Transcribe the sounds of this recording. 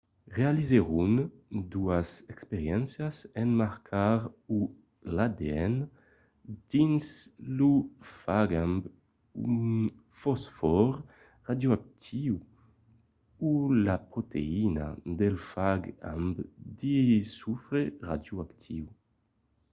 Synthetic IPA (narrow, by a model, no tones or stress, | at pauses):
ʁealizeʁund̪uazɛkspeɾjɛnsjasɛnmaɾkʰaɾu | lad̪eɛn | d̪̥inslufaɡamb | un | fɔsfɔɾ | ʁad̪juak̚t̪ʰiw | ulapɾot̪ʰḛina̰d̪elfaɡa̰mbd̪isufɾera̰d̪juakt̪ʰiw